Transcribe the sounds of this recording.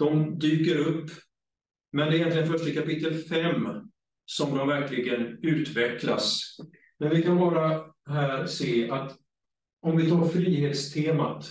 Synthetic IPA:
d̪̥ɔmd̪yːkəɾɵpː | mɛnd̪ɛɾjɛnt̪lɪɡənfœʂʈəkapɪt̪ːəlfɛmː | sɔmd̪ɔmvæɾklɪɡənʉ̟ːt̪vɛkla̰s | mɛnvɪkʰanbɑːɾaɦæːɾseːʔat̪ | ɔmvɪt̪ʰɑːɾfɾiːheːt̪st̪ʰeːma̰t̪

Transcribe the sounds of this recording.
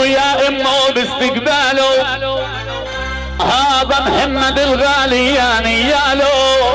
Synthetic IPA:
jaːʔɪmːoːbɪst̪ɪkbaːloː | ɦaːbɐmhɐmːɐd̪ɪlɣaːlijaːnijaːloː

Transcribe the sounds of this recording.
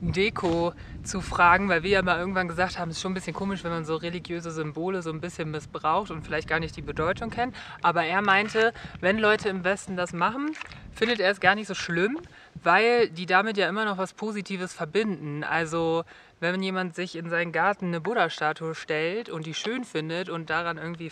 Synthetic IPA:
deːkʰo | t͡sufʁ̥aːɡŋ̩vaɪlviːɐjaːmalʔɪɐɡŋ̩tv̥anɡəzaːkthaːbm̩ɛsʃoːnbɪsçənkʰoːmɪʃvɛnmanzoːʁeliɡjøːzəzʏmboːləzoːnbɪsçənmɪsb̥ʁaʊxtʊntfɪlaɪçt̚ɡ̥aːɐnɪçt̚d̥iːbədɔʏtʰʊŋkʰɛntʔaːbɐʔeːɐmaɪntəvɛnlɔʏtʰəɪmvɛstn̩dasmaχn̩fɪndəteːɐsɡ̥aːɐnɪçtz̥oːʃlɪm | vaɪldiːdamɪtjaːʔɪmɐnɔχv̥aspʰoːzitʰiːvəsfɛɐbɪndn̩ʔa̰lzo | vɛnmanjeːmantz̥ɪçɪnzaɪnənɡaɐtn̩nəbʊɾɐʃtaːtʰuəʃtɛltʊntd̥iːʃøːnfɪndətʊnt̚d̥aʁanʔɪɐɡŋ̩tv̥iː

